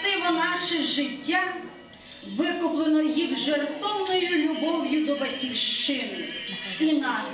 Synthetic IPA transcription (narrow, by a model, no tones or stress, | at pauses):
t̪ɪʋɔnɑʃɪʒɪtʲːa | ʋɪkʊplˠenɔjixʒɔrt̪ɔwnɔjʊlʲʊbɔwjʊd̪ɔbɐtʲiwʃt͡ʃɪnɪinɑ